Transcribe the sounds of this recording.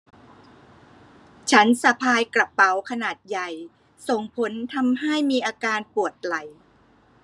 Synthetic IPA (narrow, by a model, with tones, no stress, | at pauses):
t͡ɕʰa˦˥nsa˧pʰaː˧jkɾa˨˩pːa˩˦wkʰa˧naː˨˩t̪̚ja˨˩j | so˨˩ŋpʰo˩˦˥nt̪ʰa˧mɦa˥˩jmiː˧ʔaː˧kaː˧npu˨˩ət̪̚la˨˩˦j